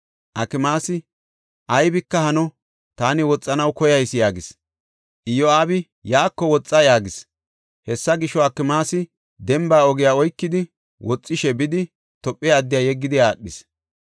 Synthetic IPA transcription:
ʔɐkːɪmaːsɪ | ʔɐjbɪkːɐhɐnɔ | t̪aːnɪwɔt͡sʼːɐnɐwkɔjɐjsɪjaːɡɪs | ʔɪjɔaːbɪ | jaːkːɔwɔt͡sʼːɐjaːɡɪs | hɛsːɐɡɪʃːɔɐkːɪmaːsɪ | d̪ɛmbaːɔɡɪjaːɔjkːɪd̪ɪ | wɔt͡sʼːɪʃɛbɪd̪ɪ | t̪ɔpʼːɪjaːd̪ːɪjaːjɛɡːɪd̪ɪaːɗːɪs

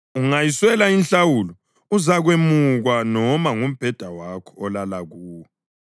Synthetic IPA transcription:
uŋajiswɛlainɬawulɔ | uzaɣwemuɣwanɔmaŋum̩b̥ʱɛd̥ʱawakʰɔ̥ɔlalaɣuːwɛ

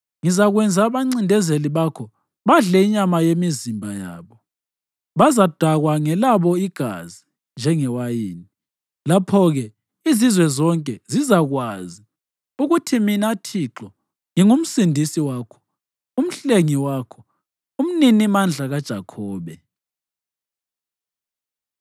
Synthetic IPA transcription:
ŋizaɣwɛnd͡zʱaβaŋ͡ǀindʱɛzeliβakʰɔ | βaɮɛiɲamajemizimbʱaja̰ːβɔ | βazad̥ʱwaɣwaŋɛlaβɔiɡ̥ʱa̰zi | nd͡ʒʱɛŋɛwajiːni | lapʰɔɣɛ | izizwɛzɔŋkʼɛzizaɣwazi | uɣutʰiminatʰiǁɔ | ŋiŋum̩sindʱisiwaːkʰɔ̥ | um̩ɬeŋiwaːkʰɔ | um̩ninimand͡ɮʱaɣad̥ʒ̥ʱakʰɔːβɛ

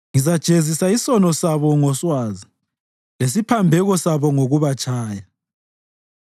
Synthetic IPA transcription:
ŋizad̥ʒ̥ʱezisaisɔnɔsaβɔŋɔswazi | les̬ipʰambʱɛɣɔsaβɔŋoɣuβat͡ʃʰʼaːja

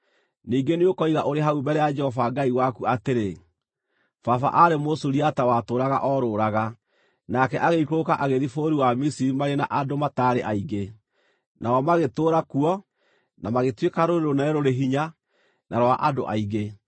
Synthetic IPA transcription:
niːɡeneokɔiðaʔoɾeɦaumbɛɾɛjad͡ʒɛhɔfaɡaiwakuateɾe | fafa̰ʔaɾemosuɾiatawatoɾaɣa̰ʔɔɾoːɾaɣa | nakɛʔaɣeikokaʔaɣeðifoɾiwamisiɾimaɾena̰ʔadomataɾeʔaiɡe | nʔaɔmaɣetoɾakuɔ | namaɣetwekaɾoɾeɾonɛɾoɾeɦiɲa | nʔaɾwaʔado̰ʔaiɣe

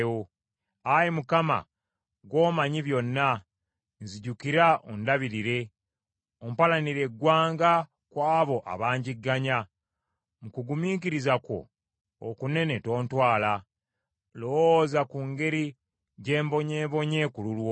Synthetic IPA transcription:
o | ajimukama̰ | ɡwo̞ːmaɲiβjo̞nːa | nziɟukiɾao̰ndaβiɾiɾe̞ | om̩palaniɾe̞ɡwaːŋɡa | kwaːβo̞ʔa̰βaːɲɟiɡːaɲa | mukuɡumiːk̬iɾizako̞̰ː | kune̞ne̞to̞ːntwaːla | lowozakuŋɡe̞ɾi | ɟe̞ːmbo̞ɲeːβo̞ɲe̞kululwo

